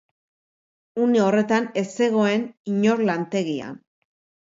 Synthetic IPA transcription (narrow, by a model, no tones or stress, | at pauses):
une̞o̞re̞t̪ane̞se̞ɣo̞e̞niɲo̞ɾlant̪e̞ɣia̰n